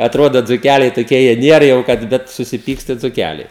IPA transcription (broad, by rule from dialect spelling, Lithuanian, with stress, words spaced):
ɐtˈroːdoː d͡zʊˈkʲælʲɛɪ toːˈkʲiɛ ˈjiɛ ˈnʲiɛr jɛʊ ˈkɐt ˈbʲɛt sʊsʲɪˈpʲiːkstɐ ɪ d͡zʊˈkʲælʲɛɪ